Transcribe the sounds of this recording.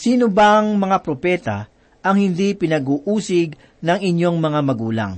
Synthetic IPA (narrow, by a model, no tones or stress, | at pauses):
siːnobaŋmɐŋapɾopɛːt̪ɐ̰ | ʔɐŋhɪnd̪ipɪnɐɡuːʔuːsɪɡ | nɐŋɪɲo̞ŋmɐŋamɐɡuːlɐ̰ŋ